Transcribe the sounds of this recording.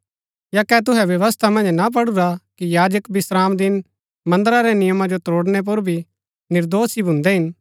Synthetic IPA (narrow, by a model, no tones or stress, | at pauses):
jakɛt̪̬ʊɦɛʋjɐʋəst̪ʰamɐ̃nd͡ʒnap̬ɐɽʊɾakijaːd͡ʒəkbɪsɾaːmd̪ɪn | mɐ̃nd̪əɾaɾɛnɪjəmãd͡ʒot̪oːɽnɛp̬ʊɾbʱi | nɪɾd̪oːsibʱʊ̃nd̪ɛɦɪn